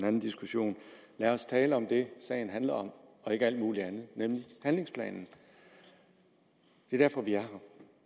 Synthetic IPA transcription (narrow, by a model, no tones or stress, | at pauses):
næn̩d̥isɡ̥uɕo̝̰ːnlæɐɒ̽st͡sʰɛːləɒ̽md̥e̝sɛ̰ːɪn̩ɦænlɐɒ̽mɒ̽e̝ɡ̥əæl̰d̥muːliænð̞̩ˠnemlihænle̝ŋspʰlɛ̰ːnn̩ | d̥e̝d̥æɐfɒ̽ʋiæɐɦɑ